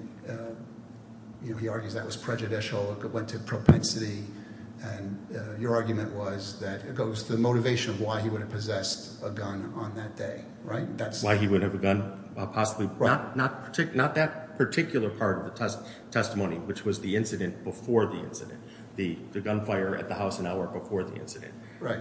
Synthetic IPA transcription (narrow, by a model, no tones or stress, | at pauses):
jɨnoʊiɑɹɡjʉzðɨʔ̚wʌz̥pʰɹ̥ɛd͡ʒɨdɪʃl̩ˠwɛ̃ntʰɨpʰɹ̥oʊpʰɛ̃nsɨɾi | ɨ̃njə˞ɑɹɡjʉmɨ̃nʔwʌzðɨt̚ɨt̚ɡ̥oʊz̥tʰɨðɨmoʊɾɨveɪʃɨ̃nʌvwaɪiwʊɾɨv̥pʰɨzɛst | əɡʌ̃nə̃nðɨt̚d̥eɪ | ɹaɪt̚ðætswaɪiwʊd̚ɨvɨɡʌ̃n | pʰɑsəblit̚nət̚pʰə˞tʰɪknət̪̚ðɨt̚pʰə˞tʰɪkjl̩ˠə˞pʰɑɹɾʌvðɨtʰɛs | tʰɛstəmõʊ̃niwɨt͡ʃwʌzðiɪ̃nsɨɾɨ̃nb̥əfɔɹðiɪ̰̃nsɨɾɨ̰̃n | ðɨðɨɡʌ̃nfaɪə˞ʔɨ̰t̪̚ðəhaʊsə̃naʊə˞bəfɔɹðiɪ̰̃nsɨɾɨ̰̃nt̚ | ɹaɪt̚